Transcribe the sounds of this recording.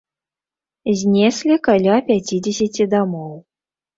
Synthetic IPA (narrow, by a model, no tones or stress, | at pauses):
zʲnʲɛsʲlʲikalʲapʲat͡sʲid͡zʲesʲat͡sʲid̪amɔw